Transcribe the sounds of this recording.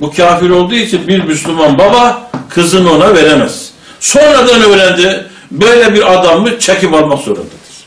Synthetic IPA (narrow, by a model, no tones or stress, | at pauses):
mucʰaːfiɾo̞lˠd̪uːit͡ʃʰinbiɾmyslʲymanbabakʰɯzɯno̞nave̞ɾemɛz̥ | so̞nɾad̪anø̞ːɾænd̪i | bø̞jlʲɛbiɾad̪amːɯt͡ʃʰecipalˠmakz̥o̞̰ɾṵnd̪ad̪̥ɯɾ̥